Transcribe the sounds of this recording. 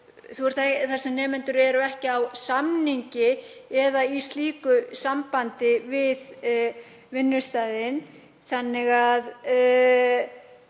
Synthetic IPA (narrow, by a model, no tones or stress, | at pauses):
θuɛɾ̥θaθasɛmnɛːmɛnt̪ʏɾɛɾʏɛhcɪawsamniɲcɪɛðaist̪liːkʏsampant̪ɪvɪð | vɪnːʏst̪aːjðɪn | θanːɪɣað